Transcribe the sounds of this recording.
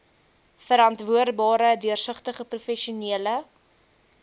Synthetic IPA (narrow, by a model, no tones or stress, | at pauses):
fəɾɐntvuərdbɑːɾədyərsəχtəχəprufɛʃiuniələ